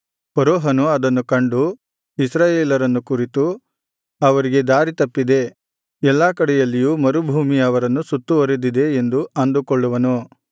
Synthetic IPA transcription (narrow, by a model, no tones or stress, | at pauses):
pɐɾɔːɦɐnuɐd̪ɐnːukɐɳɖu | isɾaːjeːlɐɾɐnːukuɾit̪u | ɐʋɐɾiɡe̞d̪aːɾit̪ɐpːid̪e̞ | ɛlːaːkɐɽɛjɐlːijumɐɾubʱuːmiɐʋɐɾɐnːusut̪ːuʋɐɾed̪id̪e̞ːnd̪uɐnd̪ukoɭːuʋɐnu